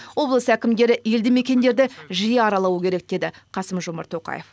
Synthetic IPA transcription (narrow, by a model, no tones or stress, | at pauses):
wo̞blˠəsəækʲɪmd̪e̞ɾɪe̞ld̪ɪme̞kʲe̞nd̪e̞ɾd̪ɪʒijeɑɾɑlˠɑwəkʲʰe̞ɾe̞k̚d̪e̞d̪ɪqʰɑsəmʒʊmɑ̰ɾt̪ʰːo̞qɑ̰je̞̰f